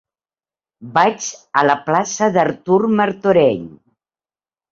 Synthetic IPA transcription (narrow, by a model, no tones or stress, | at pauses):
bat͡ʃələplasəðəɾt̪uɾməɾt̪uɾɛʎ